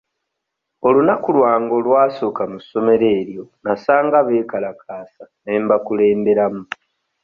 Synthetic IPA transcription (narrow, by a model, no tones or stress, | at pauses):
o̞lunakulwaːŋɡo̞lwaːso̞kamuso̞me̞ɾe̞ːɾjo̞nasaːŋɡaβe̞ːkalakʰaːsane̞ːmbakule̞ːmbe̞ɾamu